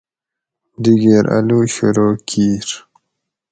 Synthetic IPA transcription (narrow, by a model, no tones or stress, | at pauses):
diɡeɾa̰luɕuɾoːkʰiːɾ